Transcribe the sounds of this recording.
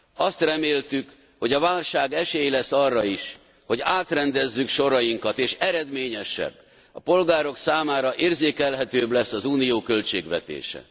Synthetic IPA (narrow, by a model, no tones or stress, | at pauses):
ɒst̪rɛmeːlt̪yk | ho̞ɟɒvaːlʃaːɡɛʃeːjlɛsːɒrːɒiʃ | ho̞ɟaːt̪rɛnd̪ɛzːykʃo̞ɾɒjiŋkɒt̪eːʃɛɾɛd̪meːɲɛʃɛ̰bː | ɒpo̞lɡaːɾo̞ksaːmaːɾɒʔeːrzeːkɛlɦɛt̪øːblɛsːɒzuːnijoːkø̞lt͡ʃeːɡʋɛt̪ḛːʃɛ̰